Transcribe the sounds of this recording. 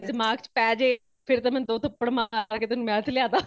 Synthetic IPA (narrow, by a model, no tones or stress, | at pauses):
dɪmaːɡt͡ʃpɛːd͡ʒeː | pʰɪɾt̪aːmɛ̃nd̪oːt̪əpːəɽmaːɾkeːt̪ʊnũːmɛ̃ːət̪ʰlɪjãːt̪aː